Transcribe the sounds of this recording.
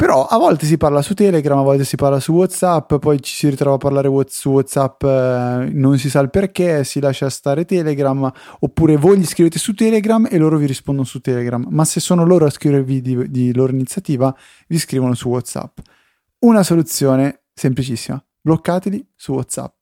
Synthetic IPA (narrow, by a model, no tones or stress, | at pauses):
peɾɔʔavːɔlt̪es̬iparlasut̪ːɛːleɡɾamavːɔlt̪esiparlasuwɔt̪sapːpɔjt͡ʃi̥siɾit̪ɾɔvapːaɾrlaːɾewɔt̪suwɔt̪sapː | nonsisalperkesilaːʃːast̪aːɾet̪ɛːleɡɾamopːuːɾevojʎiskɾiveːt̪esut̪ːɛːleɡɾamelːoːɾoviɾispond̪onosut̪ːɛːleɡɾamːasesːoːnoloːɾoaskɾivervid̪id̪iloːɾoinit̪sjat̪iːva | viskɾiːvonosuwɔt̪sa̰pː | unasolut̪sːjoːne | semplit͡ʃisːima | blokːaːt̪elisuwɔt̪sa̰p̚ː